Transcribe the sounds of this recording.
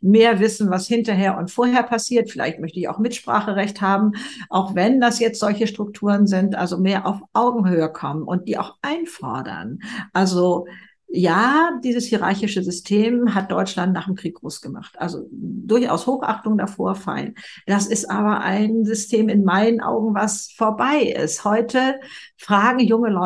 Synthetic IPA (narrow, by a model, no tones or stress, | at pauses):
meːɐvɪsn̩vashɪntɐɦeːɐʔʊntfoːɐɦeːɐpʰasiːɐtfɪla̰ɪçtmœçtəɪça̰ʊxmɪtʃpʁ̥a̰ːχəʁɛçthaːbm̩ʔaʊxv̥ɛndasjɛt͡stz̥ɔlçəʃtʁ̥ʊk̚tʰuːʁənzɪntʔa̰lzomeːɐʔaʊfʔaʊɡŋ̩høːəkʰɔmənʔʊnt̚d̥iːʔa̰ʊxʔaɪnfɔ̰ɐdɐ̰nʔalzo | jaːd̥iːzəshiʁa̰ɐçɪʃəzʏstʰeːmɦat̚d̥ɔʏt͡ʃlantnaːχdɪmkʁ̥iːk̚ɡ̥ʁoːsɡ̥əma̰χtʔa̰lzo̰dʊɐçʔa̰ʊshoːxʔa̰χtʊŋdafoːɐfa̰lə̰nd̥asɪstʔaːβɐʔa̰ɪnzʏstʰeːmɪnmaɪnənʔa̰ʊɡŋ̩vasfoːɐbaɪʔɪ̰sthɔʏtʰə | fʁ̥aːɡŋ̩jʊŋəlɔ